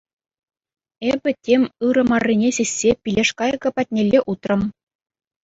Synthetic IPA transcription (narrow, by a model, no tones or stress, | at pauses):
ebʲɘ̆tʲemʲɯɾɤ̆mɑrʲːinʲesʲesʲːepʲilʲeʂkɑjɡɤ̆pɑt̚ʲnʲelʲːeʔut̪rɤ̆m